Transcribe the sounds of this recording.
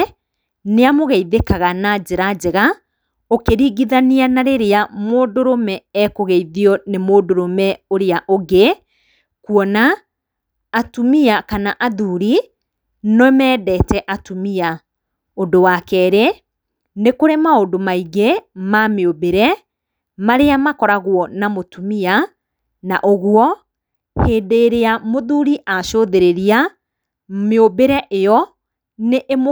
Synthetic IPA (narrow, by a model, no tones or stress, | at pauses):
neamoɣɛiðekaɣanad͡ʑeɾad͡ʑɛɣa | okeɾiɣiðanianaɾeɾeamoːdoɾomɛɛkoɣɛiðiɔnemoːdoɾomɛoɾeaʔoɡe | kuɔnaː | tumiakanaʔaðuɾi | nɔmɛːdɛtɛʔatumia | ondowakɛɾe | nekoɾemaondomaiɡemameobeɾɛ | maɾeamakɔɾaɣwɔnamotumia | na̰ʔoɣwɔ | heːdeːɾeamoðuːɾiʔaʃoðeɾeɾia | meobeɾɛʔejɔ | neʔem